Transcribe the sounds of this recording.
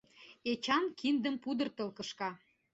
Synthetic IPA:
et͡ɕɑnkʰind̪əmpud̪ə̆rt̪əlkə̆ʃkɑ

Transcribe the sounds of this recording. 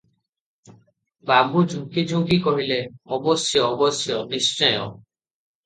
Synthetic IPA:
babud͡ʒʱũkid͡ʒʱũkikɔɦileɔbɔsjɔːbɔsjɔnist͡ʃɔjɔ̰

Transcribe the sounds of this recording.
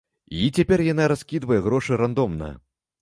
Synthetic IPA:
it͡sʲapʲɛrjanaɾaskʲid̪vɐjɛɣɾɔʂɨɾand̪ɔmnɐ̰

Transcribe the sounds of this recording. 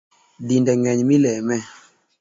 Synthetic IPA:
dindɛŋɛɲmilɛmɛ

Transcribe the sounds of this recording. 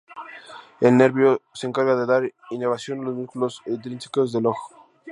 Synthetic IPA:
e̞lne̞ɾβjoseeːŋkaɾɣaðeðaɾineβ̞asjo̞nalozmuskulosent̪ɾinsi̥kozðe̞loxo̥

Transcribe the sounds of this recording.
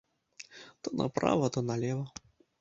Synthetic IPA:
t̪ɔnɐ̰pɾa̰vɐt̪ɔnɐlʲɛvɐ

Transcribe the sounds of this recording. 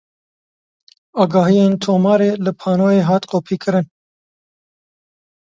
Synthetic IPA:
ɑːɡɑːɦijeːnt̪ʰoːmɑːɾeːlɨpʰɑːnoːjeːɦɑːt̪qoːpʰiːkʰɨɾɨn

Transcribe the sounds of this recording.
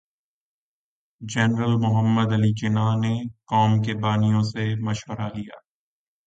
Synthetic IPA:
d͡ʒɛnɾəlmʊɦəmːəd̪ɐlit͡ʃɪnanekɔːmk̬ebaːnijõsemɐʃwəɾalija̰ː

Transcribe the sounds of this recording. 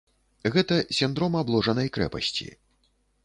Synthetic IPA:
ɣɛt̪ɐsʲind̪ɾɔmablˠɔʐɐnɐjkɾɛ̰pɐ̰sʲt͡sʲḭ

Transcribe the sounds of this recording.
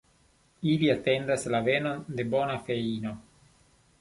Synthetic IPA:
iliate̞ndaslave̞no̞nde̞bo̞nafe̞ino̞

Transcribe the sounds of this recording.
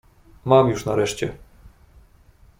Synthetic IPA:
mamjuʂnaɾɛʂt͡ɕɛ

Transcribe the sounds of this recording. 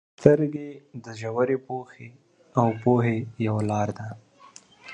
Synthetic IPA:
t̪əɾɡed̪əʒawəɾepoxe | awpoɦejawalɑɾd̪a

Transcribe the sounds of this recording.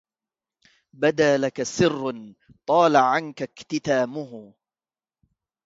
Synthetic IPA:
bad̪aːlakasɪrː | t̪ˤɑːlaʕankakt̪ɪt̪aːmʊɦ

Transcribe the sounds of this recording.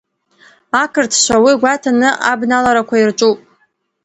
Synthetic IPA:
akʰɨrtʰʃʷawiɡʷatʰanɨʔa̰bnalaɾakʷʰairt͡ʃʷʼupʼ

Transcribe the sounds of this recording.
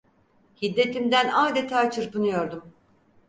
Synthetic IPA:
hid̪ːe̞t̪ʰimd̪ænaːd̪et̪ʰaːt͡ʃʰɯɾpɯnujo̞ɾd̪um

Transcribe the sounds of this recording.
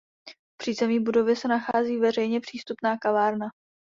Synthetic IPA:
pr̥izɛmɲiːbudo̞vjɛsɛnaxaːziːvɛrɛjɲɛpr̥iːst̪upnaːkavaːɾna

